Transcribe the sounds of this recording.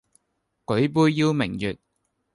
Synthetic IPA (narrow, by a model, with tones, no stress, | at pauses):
kɵ˨˥ɥpuː˧jːiː˧wmɪ˨˩ŋjyː˨t̚